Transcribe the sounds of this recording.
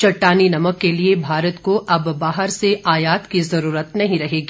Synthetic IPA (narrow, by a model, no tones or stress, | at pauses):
t͡ʃɐʈːaːninɐməkːeliebʱaːɾət̪koʔɐbːaːɦəɾseʔaːjaːt̪kizɐɾuːɾət̪nɐɦĩɾɐɦeːɡi